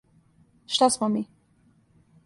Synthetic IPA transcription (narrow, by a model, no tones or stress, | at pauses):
ʃt̪asmɔmi